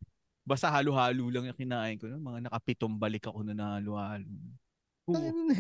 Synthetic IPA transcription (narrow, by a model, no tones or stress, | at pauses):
baːst̪ɐhaːlohaːluːlɐŋnɐkɪnaːʔɪnkononmɐŋanɐkɐpɪt̪ombɐlɪkɐko̞nonɐhaːlʊhaːlon | o